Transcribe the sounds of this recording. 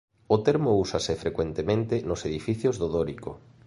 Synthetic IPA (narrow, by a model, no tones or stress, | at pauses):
ʊt̪eɾmousasɪfɾekwent̪emẽnt̪ɪnoseðifiθjozðoðoɾiko